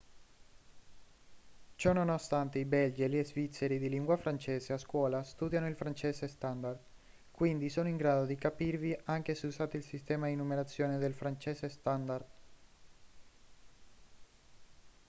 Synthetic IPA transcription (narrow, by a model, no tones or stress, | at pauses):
t͡ʃɔnonost̪ant̪eibɛld͡ʒelezvit̪sːeɾid̪iliŋɡwafɾant͡ʃɛːzeaskwɔːlast̪uːd̪janoilfɾant͡ʃɛːsest̪and̪ard̪ | kwind̪isoːnoiŋɡɾaːd̪od̪ikapirviʔaŋkeseuzaːt̪eilsist̪ɛːmad̪inːumeɾat̪sːjoːned̪elfɾant͡ʃɛːsest̪and̪ard̪